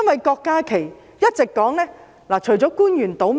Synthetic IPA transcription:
ɐ˥nwɐ˨jkɔː˧kːaː˥kʰe˨˩j | jɐ˥t̚t͡sɪ˨kːɔː˨˥ŋlɛː˥ | laː˨˩t͡ʃʰɵ˨˩ɥt͡sɔː˨˥kuː˥njyː˨˩nt̪o˨˥wm

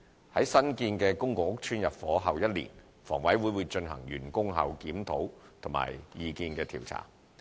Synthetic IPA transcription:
hɐ˨˥jsɐ˥nkiː˧nkɛː˧kʊ˥ŋkʊ˨k̚ʊ˥k̚t͡ʃʰyː˥njɐ˨p̚fɔː˨˥ɦɐ˨wjɐ˥t̚lḭː˨˩n | fɔ̰ː˨˩ŋwɐ˨˥jwuː˨˥jwuː˨˧˥jt͡ʃɵ˧nɦɐ̰˨˩ŋjyː˨˩nkʊ˥ŋɦɐ˨˧wkiː˨˥mt̪ʰo˨˥wt̪ʰʊ˨˩ŋma̰ː˨˩jːiː˨˧kiː˧nkɛː˧t̪ʰiː˨˩wt͡sʰa̰ː˨˩ŋ

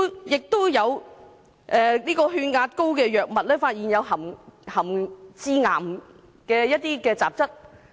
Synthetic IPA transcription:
jɪ˨k̚t̪o˥wjɐ˨˧w | ʔɛː˨niː˥kɔː˧ɦyː˧nŋaː˧t̚ko˥wkɛː˧jœː˨˩k̚mɐ˨t̚lɛː˥faː˧t̚jiː˨˩njɐ˨˧wɦɐ˨˩mhɐ˨˩mt͡siː˧ŋa̰ː˨˩m | kɛː˧jɐ˥t̚t̪ːiː˥kɛː˧t͡saː˨p̚t͡sɐ˥t̚

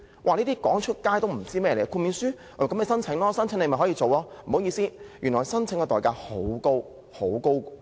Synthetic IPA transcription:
wa̰ː˨˧liː˥t̪iː˥kɔː˨˥ŋt͡ʃʰɵ˥t̚kaː˥jt̪o˥wm̩˨˩t͡siː˥mɛː˥jɛ˧˨˩ə˧kʰu˧miː˨˧nsyː˥˨˩m˨kmnɛ˨˧sɐ˥nt͡sʰɪ˨˥ŋlɔː˥sɐ˥nt͡sʰɪ˧˥ŋle˧m˨jɦɔː˨˥jiː˧t͡so˨wɔː˧m̩˨˩ho˨˥wjiː˧siː˥jyː˨˩nlɔː˨˩jsɐ˥nt͡sʰɪ˨˧˥ŋkɛ˧t̪ɔː˨jkaː˧˩ho˨˥wko˥w | ho˨˥wko˥w

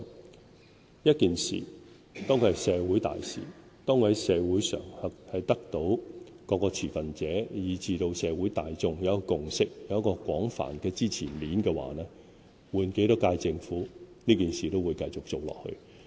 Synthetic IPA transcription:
jɐ˥t̚kiː˨nsḭː˨˩ | t̪ɔː˥ŋkʰsɛː˨˧wuː˨˥jt̪a̰ː˨jsḭː˨ | t̪ɔː˥ŋ˨hɐ˨˥jsɛː˨˧wuː˨˥jsœ̰ː˨˩ŋhɐ˨k̚hɐ˨jt̪ɐ˥k̚t̪o˨˥w | kɔː˨˧kɔː˧t͡sʰiː˨˩fɐ˨nt͡sɛː˨˥jiː˨˧t͡siː˧t̪o˧wsɛː˨˧wuː˨˥jt̪aː˨jt͡sʊ˧ŋjɐ˨˦˥kɔ˧kʊ˨ŋsɪ˥k̚jɐ˨˦ɐ˥kɔː˧kwɔː˨˥ŋfa̰ː˨˩nkɛː˧t͡siː˥t͡sʰiː˨˩nliː˨˥nkɛː˧wa̰ː˨˦nɛː˥ | wuː˨nke˨˥jt̪ɔ˥kːaː˧jt͡sɪ˧ŋfuː˨˥niː˥kiː˨nsiː˨t̪o˥wuː˨˧jkɐ˧jt͡sʊ˨k̚t͡so˨wlɔ̰ː˨k̚hɵ̰˧ɥ

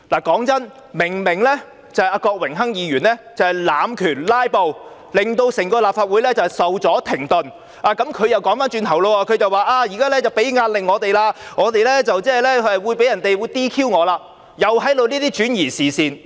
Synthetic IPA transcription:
laː˨˩kɔː˨˥ŋt͡sɐ˥n | mɪ˨˩ŋmɪ˨˩ŋlɛː˥ | t͡sɐ˨˧haː˧kɔː˧k̚wɪ˨˩ŋɦɐ˥ŋjiː˨˧jyː˨˩nlɛː˥t͡sɐ˨whɐ˨jlaː˨˧mkʰyː˨˩nlaː˥jpo˨˧w | lɪ˨˩ŋt̪o˧wsɪ˨˩ŋkɔː˧laː˨p̚faː˧t̚wu˨˥jlɛː˥t͡sɐ˨sɐ˨wt͡sɔː˨˥t̪ʰɪ˨˩ŋt̪ɵ˨n | ʔaː˨kɐ˨˥mkʰɵ˨˧ɥjɐ˨˩wkɔː˨˥ŋfaː˨˥nt͡ʃyː˧nt̪ʰɐ˨˩wloː˧wɔː˧kʰɵ˨˧ɥt͡sɐ˨waː˨˩ʔaː˧jiː˨˩kaː˥lɛː˥t͡sɐ˨˩wpe˨˥jŋaː˧t̚lɪ˨ŋɔː˨˧t̪e˨jlaː˧ŋɔː˨˧t̪e˨jlɛː˥t͡sɐ˨wt͡sɛː˥˨jlɛː˥ɐ˨wu˨˧jpe˨˥jɐ˨˩nt̪e˨jwu˨˧jt̪iː˥kʰiː˥wŋɔː˨˧laː˧ | jɐ˨whɐ˨˥jt̪o˨˧wniː˥t̪iː˥t͡ʃyː˨˥njiː˨˩siː˨˩siː˨n

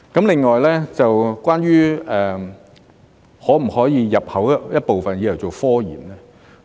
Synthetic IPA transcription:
kɐ˨˥mlɪ˨˩ŋːɔː˨jlɛː˥t͡sɐ˨wkʷwaː˥nɥyː˥ɛː˨˩ | hɔː˨˥m̩˨˩hɔː˨˥jiː˨˧jɐ˨p̚hɐ˨˥wjɐ˥t̚po˨wfɐ˨njiː˨˧˩jɐ˨˩wt͡so˨˩wfɔː˥jḭː˨˩mlɛː˥

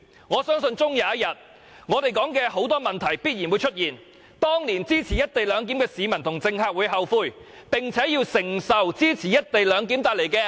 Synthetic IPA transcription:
ŋɔː˨˧sœː˥ŋsɵ˧nt͡sʊ˥ŋjaː˨˧˥ɐ˥t̚jɐ˨t̚ | ŋɔː˨˧t̪e˨jkɔː˨˥ŋkɛː˧ho˨˥wt̪ɔː˥mɐ˨nt̪ʰɐ˨˩jpiː˥t̚ji˨˩nwu˨˧jt͡ʃʰɵ˥t̚jiː˨˩n | t̪ɔː˥ŋliː˨˩nt͡siː˥t͡sʰiː˨˩jɐ˥t̚t̪e˨jlœː˨˧ŋk̬iː˨˥mkɛː˧siː˨˧mɐ˨˩nt̪ʰʊ˨˩ŋt͡sɪ˧ŋhaː˧k̚wu˨˧˥jɦɐ˨wfuː˧jpɪ˨ŋt͡sʰɛː˨˥jiː˧wsɪ˨˩ŋsɐ˨wt͡siː˥t͡sʰiː˨˩jɐ˥t̚t̪e˨jlœː˨˧ŋk̬iː˨˥mt̪aː˧jle˨˩jkɛː˧

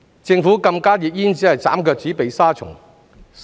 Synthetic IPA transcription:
t͡sɪ˧ŋfuː˨˥kɐ˧mkaː˥jiː˨t̚jiː˥nt͡siː˨˥hɐ˨jt͡sa̰ː˨˥mkœː˧k̚t͡si˨˥pe˨˧jsaː˥t͡sʰʊ̰˨˩ŋ

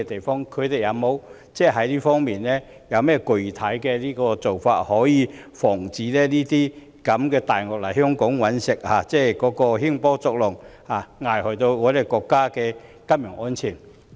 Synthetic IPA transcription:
ɛ˧t̪e˨jfɔː˥ŋkʰɵ˨˧t̪ɪ˨jɐ˨˧wmo˨˧w | t͡sɛː˥˩ɦɐ˨˥jliː˥fɔː˥ŋmiː˨nlɛː˥ | jɐ˨˧wmɛː˥kɵ˨˩ɥt̪ʰɐ˨˥jkɛː˧liː˥kɔː˧t͡so˨wfaː˧t̚hɔː˨˥jiː˨˧fɔː˨˩ŋt͡siː˨˧lɛː˥liː˥t̪iː˥ | kɐ˨˥mkɛː˧t̪aː˨jŋɔː˨k̚lɐ˨˩ɦœː˥ŋkʊ˨˥ŋwɐ˨˥nsɪ˨k̚aː˨˩t͡sɛː˥˩kɔː˨˥kɔː˧hiː˥ŋpɔː˥t͡sɔ˧k̚lʊ˨˩ŋhaː˨˩ŋaː˨jhɔ˨˩jt̪o˧wŋɔː˨˧˥ɾe˨˩kɔː˧kːaː˥kɛː˧ | kɐ˥mjœː˨˩ŋʔɔː˥nt͡sʰiː˨˩n

